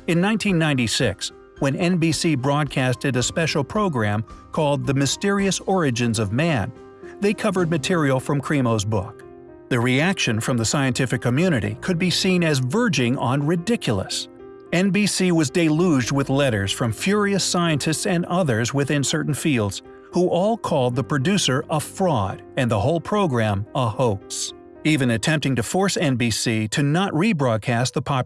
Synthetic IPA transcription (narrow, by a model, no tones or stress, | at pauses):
ɨ̃nːãɪ̃ntʰĩnːãɪ̃ntisɪks | wɨ̃nɛ̃nbisibɹɔd̚kʰæstɨɾɨspɛʃl̩ˠpʰɹ̥oʊɡɹæ̃mkʰɔlˠd̪̚ðɨmɨstɪɹiɨsɔɹɨd͡ʒɨ̃nzʌvmæ̃n | ðeɪkʰʌvə˞d̚mɨtʰɪɹil̩ˠfɹʌ̃mkʰɹ̥imoʊzbʊ̰k̚ | ðɨɹiækʃɨ̃nfɹʌ̃mðɨsaɪɨ̃ntʰɪfɨkʰːɨmjʉñɨɾḭkʰɨd̚bisĩnɨzvɜ˞d͡ʒɪ̃ŋə̰̃nɹɨdɪkʰjl̩ˠə̰s | ɛ̃nbisiwʌzdɪɪluzd̚wɨðlɛɾə˞z̥fɹʌ̃ɱfjʊɹiɨsaɪɨ̃ntʰɨstsɨ̃nʌðə˞zwɨθɪ̃nsɜ˞ʔn̩filˠdz̥ | huʔɔlˠkʰɔlˠd̪̚ðəpʰɹ̥ɨdʉsə˞ʔəfɹɔɾɨ̃nðəhoʊlˠpʰɹ̥oʊɡɹæ̃mʔəhoʊks | ivɨ̃nɨtʰɛ̃mp̚tɪ̃ŋtɨfɔɹsɛ̃nbisiɾɨnəʔɹibɹɔd̚kʰæst̪̚ðəpʰɑ